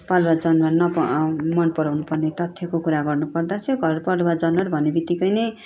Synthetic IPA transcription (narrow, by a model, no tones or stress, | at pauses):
pʌlwad͡zʌnmʌrnʌpʌmʌnpʌɾawnupʌrnet̪ʌt̪ʰjʌkokuɾaɡʌrnupʌrd̪asʰʌɡʱʌɾpʌlwad͡zʌnʌɾbʱʌnebit̪ikʌjnʌj